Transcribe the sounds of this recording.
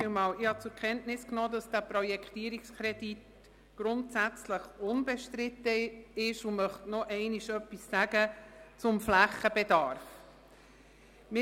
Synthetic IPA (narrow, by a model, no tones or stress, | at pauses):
imɑːlɪhɑt͡sʊɾkʰɛntnɪsknoːdɑsd̥æːpɾɔjɛkχtiːɾikskʰɾɛdit | ɡ̥ɾʊntsæt͡sləχʊnbɛʃtɾɪtəɪʃʊmœχtnɔʔɛɪniʃœpːisːæɡ̥ət͡sʊmflæχːəb̥ɛdɑɾf | mɪ